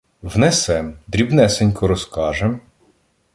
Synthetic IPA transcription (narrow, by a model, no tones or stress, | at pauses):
wnɛsɛmd̪ɾʲibnɛsenʲkɔɾɔskɑʒem